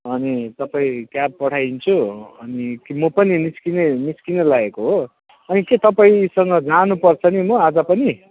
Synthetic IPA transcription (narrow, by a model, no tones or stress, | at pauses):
ʌnit̪ʌpaĩkjab̚pʌʈʰajnt͡sʰuʌnikimʌpʌniniskineniskinelaɡekoɦo | ʌniket̪ʌpaĩsʌŋɡʌd͡zanupʌrt͡sʰʌnimʌad͡zʌpʌni